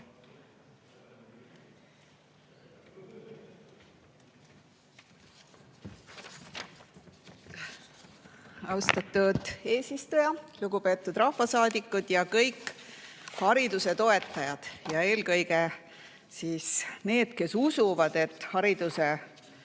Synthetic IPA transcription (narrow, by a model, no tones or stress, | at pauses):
ɑwst̪ɑt̪ːˑud̪̥e̞ːsist̪ujɑluɡ̥upe̞ːt̪ːˑud̪rɑhfɑsɑːd̪ikːˑud̪̥jɑkɤjkː | hɑɾid̪̥use̞t̪o̞e̞t̪ˑːɑjɑd̪̥jɑe̞ːlkɤjɡe̞ | siːsne̞ːd̪̥ke̞susuvɑd̪e̞t̪ːˑhɑɾid̪̥use